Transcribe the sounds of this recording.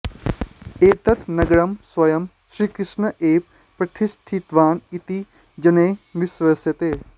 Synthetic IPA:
eːt̪ɐt̪nɐɡɽəmswɐjəm | sɾiːkɾɪʃnəʔeːp̚ | pɾɐʈʰɪsʈʰit̪ʋaːnit̪iː | d͡ʒɐnẽːʋɪswəsjət̪eː

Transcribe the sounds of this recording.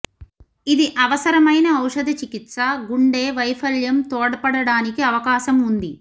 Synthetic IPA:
id̪iʔɐʋɐsɐɾɐmɐjnɐɐwʂɐd̪ʱɐt͡ʃikit̪sɐɡuɳɖeːʋɐjpʰɐljɐmt̪oːɽɐpɐɽɐɽaːnikiɐʋɐkaːʃɐmund̪i

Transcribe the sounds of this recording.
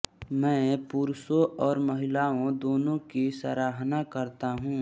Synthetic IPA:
mɛ̃ːpuːɾsõʔɔːɾməɦɪlaːõd̪oːnõkisə̰ɾaːɦnakɐɾt̪aɦũː

